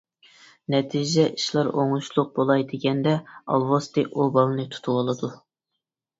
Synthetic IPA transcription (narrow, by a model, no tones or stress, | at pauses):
nɛt̪ʰid͡ʒd͡ʒɛʔiʃlˠɑɾoŋuʃlˠʊq̚bolˠɑjd̪ɪɡʲɛnd̪ɛɑ̰lˠwost̪ɨʔobɑlˠnɨt̪ʰu̥t̪ʰuwolˠɨd̪u